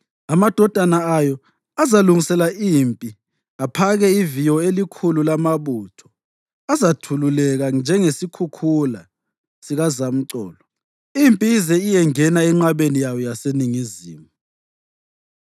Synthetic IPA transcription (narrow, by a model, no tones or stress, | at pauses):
amad̥ʱɔd̥ʱanaajɔ | azaluŋisɛlaʔimpʼi | apʰaɣɛivijɔelikʰululamaβuːtʰɔ̥ | azatʰululɛɣand͡ʒʱɛŋesikʰukʰula | siɣazam̩ǀɔ̰ːlɔ | impʼiːzɛijɛŋɛnaɛŋ͡ǁaβenijajɔjaseniŋiziːmu